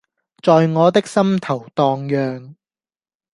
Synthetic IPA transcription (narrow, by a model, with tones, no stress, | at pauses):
t͡sɔː˨jŋɔː˨˧t̪̬ɪ˥k̚sɐ˥mt̪ʰɐ˨˩wt̪ɔː˧ŋjœː˨ŋ